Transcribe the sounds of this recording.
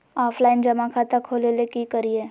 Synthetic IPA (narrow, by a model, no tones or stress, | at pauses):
aːpʰlaːɪnd͡ʒɐmakʰat̪akʰoːlelekikəɾieː